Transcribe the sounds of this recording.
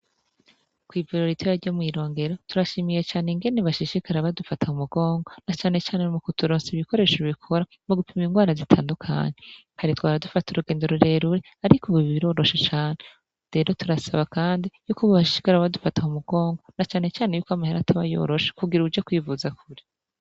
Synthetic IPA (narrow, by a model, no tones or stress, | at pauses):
kwiːvuɾoɾitwejaɟomŋiːɾo̞ːŋɡe̞ɾo̞tuɾaʃiːmije̞t͡ʃaːneŋɡe̞neβaʃiʃikaɾaβadufatahumuɡo̞ːŋɡo̞nat͡ʃaːne̞t͡ʃaːnemukutuɾoːnsiβiko̞ɾe̞ʃiβikʰo̞ɾa | muɡupʰimiŋɡwaːɾazitʰaːndukʰa̰ɲe | haɾitwaːɾadufatuɾuɡe̞ːnde̞ɾoɾe̞ɾuɾe | aɾikuβuβiɾo̞ːɾo̞ʃet͡ʃaːne̞ | ɾe̞ɾo̞tuɾasaβakaːndijukuβaβaʃi̥ʃi̥kaɾaaβadufatahumuɡo̞ːŋɡo̞nat͡ʃaːne̞t͡ʃaːnejuːkwamaheɾatʰaβajo̞̰ːɾo̞ʃe̥kuɡiɾuud͡ʒekwiːvuzakuɾi̥